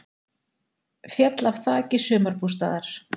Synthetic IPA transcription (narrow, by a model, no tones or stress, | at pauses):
fjat̪lav̥θaːcɪsœːmaɾpust̪a̰ːðaɾ̥